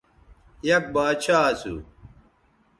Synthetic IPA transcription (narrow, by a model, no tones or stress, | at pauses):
jɐk̚baːt͡ɕʰaːsṵ